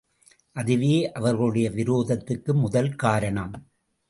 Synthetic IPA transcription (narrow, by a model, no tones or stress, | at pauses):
ʔɐðɪʋeːʔɐʋɐɾɣɐɭɯɽɐjɐʋɪɾoːðɐt̪ːɯkːɯmʊðɐlkaːɾɐɳɐm